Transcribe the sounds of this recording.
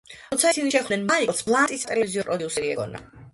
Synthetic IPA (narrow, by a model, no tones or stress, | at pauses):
ɔt̪sʰaisiniʃɛχb̪nɛnmaliɔt̪sʰblˠant̪ʼist̪ʼɛlɛviziɔpʼɾɔd̪iusɛɾiɛ̰ɡɔ̰na̰